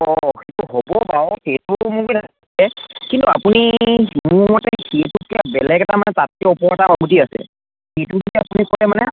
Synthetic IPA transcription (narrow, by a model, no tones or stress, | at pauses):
ɔxejtuɦobɔbaɔxetumukina | ɛkintua̰punimʊmɔtɛhetukabɛlɛɡɛtamanɛtat̚kɛɔpɔɹɛtaɔɡutiasɛ̰ | hetuɡikiapunikɔlɛmanɛ